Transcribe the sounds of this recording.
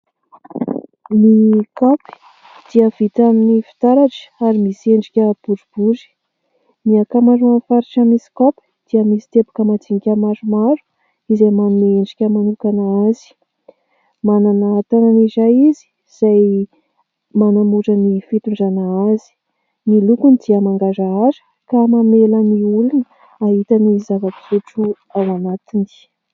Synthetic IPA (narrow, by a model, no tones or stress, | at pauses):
mikapi̥ | d̪̥iəvit̪aminifi̥t̪aɾaʈ͡ʂə̥aɾimiseɳɖ͡ʐikʲəb̥uɖ͡ʐub̥uzi̥ | miakamaɾuanfaɾiʈ͡ʂamisi̥kopi̥d̪̥iəmisi̥t̪ebu̥kəmat͡siŋikʲəmaɾumaɾu̥ | izajmaneɳɖ͡ʐikʲəmanukanaazi̥ | mananat̪ananizajizi̥ | z̥aj | manamuʈ͡ʂənifit̪uɳɖ͡ʐanaazi̥ | nilukunid̪̥iəmaŋɡazaazə̥ | kamameləniulunə | aɦit̪ənizavakizuʈ͡ʂu | awanat̪ini̥